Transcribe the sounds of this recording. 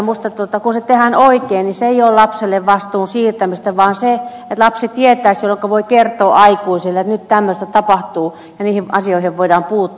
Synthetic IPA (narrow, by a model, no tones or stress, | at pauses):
must̪ɑt̪uot̪ɑkunset̪ehænoikeːnniseeioːlɑpselːeʋʋɑst̪uːnsiːrt̪æmist̪æʋɑːnse | et̪lɑpsit̪iet̪ˑæisjolːoŋkoʋoikert̪ˑoːʔɑikuisilːeet̪nyt̪t̪æmːøst̪æt̪ɑpɑht̪uː | jɑniːhiʋʔɑ̰sioiheʋʋoidɑːmpuːt̪ː